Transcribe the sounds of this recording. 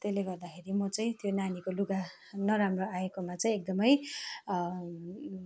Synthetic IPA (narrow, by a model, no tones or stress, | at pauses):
t̪eleɡʌrd̪akʰeɾimʌt͡sʌĩt̪jonanikoluɡa | nʌɾamroaekomat͡sʌĩek̚d̪ʌmʌj